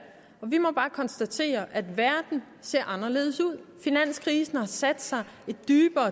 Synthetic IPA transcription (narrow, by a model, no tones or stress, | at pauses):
ɒ̽ʋimɒ̽b̥ɑ̈ːkʰɒ̽nsd̥æt͡sʰe̝̰ːɐʔæd̥ʋæɐd̥n̩ | se̝ɐʔɑ̈nɐle̝̰ːð̞ˠəsuð̰ˠfinæn̰skʰʁiːsn̩hɑ̈sæd̥sɑ̈ɪ | e̝d̥ːyːb̥ɐː